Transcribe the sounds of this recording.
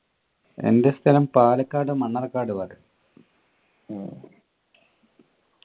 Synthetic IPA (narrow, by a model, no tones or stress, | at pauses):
e̞̰nde̞st̪ʰɐlɐmpaːlɐkːaːɽumɐɳːɐrɐkːaːɽuʋɐðɨ